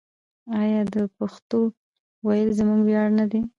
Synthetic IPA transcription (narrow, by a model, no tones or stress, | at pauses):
ɑjɑd̪əpaxt̪o | wajəlzəmuɡwjɑɽnad̪e